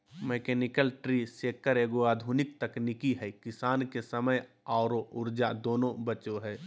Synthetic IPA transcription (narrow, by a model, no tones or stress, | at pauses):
meːkɛːnɪkəlʈɾiseːkːəɾeːɡoaːd̪ʱuːnɪk̚t̪əknɪkiɦɛkɪsaːnkesəməj | aːɾoʊɾd͡ʒad̪oːnõbət͡ʃoɦɛː